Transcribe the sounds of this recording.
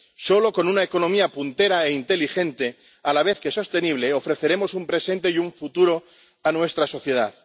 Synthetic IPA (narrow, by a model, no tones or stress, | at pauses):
so̞lo̞ko̞nunaeko̞nõ̞miapunt̪e̞ɾaeint̪e̞lixẽ̞nt̪e̞ | alaβ̞e̞θke̞so̞st̪e̞niβ̞le̞o̞fɾe̞θe̞ɾe̞mo̞sumpɾe̞se̞nt̪ejuɱfut̪uɾo̞ | anwe̞st̪ɾaso̞θje̞ð̞a̰ð